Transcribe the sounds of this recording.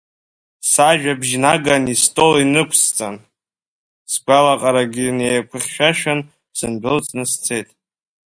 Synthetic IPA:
saʒᶣabʒnaɡanistʼo̞linɨkʷʰst͡sʼan | sɡʷalaqʼaɾaɡʲinejakʷʰɨχʲʃᶣaʃᶣan | z̥ɨnbʷɪlt͡sʼnɨst͡sʰe̞jtʼ

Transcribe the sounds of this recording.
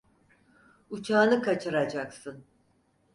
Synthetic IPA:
ut͡ʃʰaːnɯkʰat͡ʃʰɯɾad͡ʒaksɯn

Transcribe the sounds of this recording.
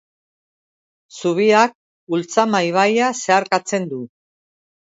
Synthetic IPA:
suβiak̚ | ult͡samajβ̞ajase̞aɾkat͡se̞nd̪u

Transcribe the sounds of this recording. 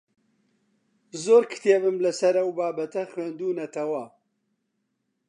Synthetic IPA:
zoːɾkʰɨ̥t̪ʰeːbɨmlɐsɐɾɐwbaːbɐt̪ʰɐxweːnd̪uːnɐt̪ʰɐwɐ

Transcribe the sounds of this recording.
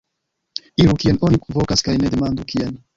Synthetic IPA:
iɾukienoniku̥vokaskajned̪emand̪ukien

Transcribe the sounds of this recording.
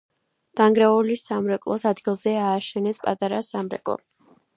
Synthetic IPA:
d̪̥aŋɡɾaulisamɾɛkʼlˠɔsad̪ɡilˠzɛaːʃɛnɛspʼat̪ʼaɾasamɾɛ̰kʼlˠɔ̰

